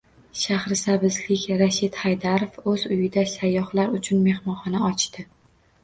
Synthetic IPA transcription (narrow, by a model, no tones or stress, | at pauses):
ʃahɾɪsabɪzlɪkʲɾaʃɪt̪hajd̪aɾofɵzʊjɪd̪asajːɒhlaɾʊt͡ʃʰʊnme̞hmɒnχɒnaɒt͡ʃt̪ɪ